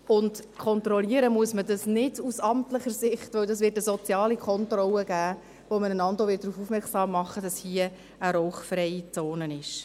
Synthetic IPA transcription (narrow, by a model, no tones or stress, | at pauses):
ʊndkʰɔnt̪ɾɔliəɾəmuəsmədɑsnɪdusɑmtləχəsɪχtʋœwdɑsʋɪːtəsɔt͡sjɑːlikʰɔntrɔləɡ̥æː | ʋomənənɑndoʋɪt̚d̥ɾuːfuːfmɛksɑːmːɑχːəd̥ɑshiə | əɾɔʊχfrɛɪit͡soːnənɪʃ